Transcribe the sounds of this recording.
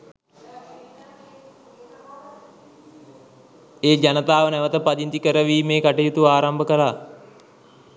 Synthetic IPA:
eːd͡ʒanət̪aːʋənɛʋət̪əpad͡ʒ̪int̪ikəɾəʋiːmeːkaʈijut̪uʋaːɾambəkəla

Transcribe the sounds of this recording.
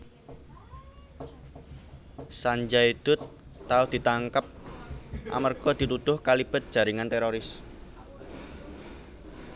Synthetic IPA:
saɲd͡ʒaid̪̥ʊt̪ːaʊd̪̥i̤t̪aŋkəp̚ | ʔa̰mərɡ̥ɔd̪̥i̤t̪ud̪̥ʊhkalib̥ə̤t̪̚d̥ʒ̥a̤ɾiŋant̪ɛɾoɾɪs

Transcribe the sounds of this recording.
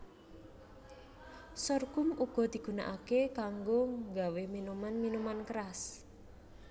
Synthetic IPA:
sɔrkʊmuɡ̥ɔ̤d̪̥i̤ɡ̥ṳna̰ʔakekaŋɡoŋɡaweminumanminumankəɾas

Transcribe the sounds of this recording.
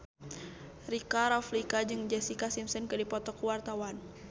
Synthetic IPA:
rikaɾaflikad͡ʒɨŋd͡ʒɛsikasimsənkɨdipɔt̪ɔkuwart̪awan

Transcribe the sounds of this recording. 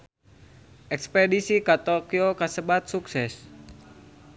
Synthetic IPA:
ʔɛkspedisikat̪okiokasəbat̪̚suksɛs

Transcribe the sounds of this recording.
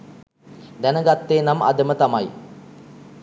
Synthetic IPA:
d̪ænəɡat̪ːeːnama̰d̪əmət̪amaj

